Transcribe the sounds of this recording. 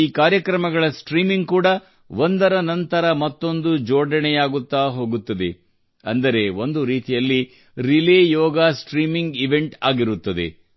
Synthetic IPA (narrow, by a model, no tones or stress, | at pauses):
iːkaːɾjɐkɾɐmɐɡɐɭɐsʈɾiːmiŋɡkuːɽɐ | ʋond̪ɐɾɐnɐnt̪ɐɾɐmɐt̪ːo̞nd̪ud͡ʒoːɖɐɳɛjaːɡut̪ːaːɦo̞ːɡut̪ːɐd̪ḛ | ɐnd̪ɐɾe̞o̞nd̪uɾiːt̪ijɐlːi | ɾileːjɔːɡaːsʈɾiːmiŋɡiʋe̞ɳʈaːɡiɾut̪ːɐd̪ḛ